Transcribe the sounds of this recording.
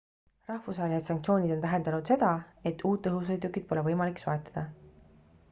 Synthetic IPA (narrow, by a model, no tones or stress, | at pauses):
rɑhfusvɑːelise̞t̪sɑŋk̚t̪sʲio̞ːnid̪̥o̞nt̪æɦe̞nd̪ɑnud̪̥se̞d̪̥ɑe̞t̪ˑːuːt̪ːɤɦus̬ojd̪ukːˑid̪̥̚po̞levɤjmɑliksoe̞t̪ːˑɑ̥d̪̥ɑ